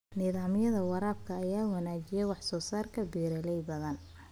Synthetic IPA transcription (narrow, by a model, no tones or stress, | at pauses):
niðaːmjɐðɐwɑɾaːb̚kʰɐːjaːwɑnaːt͡ʃɪjɛwɑħsɔːsaːrkʰɐbiːɾɐlɛjbɐðɐn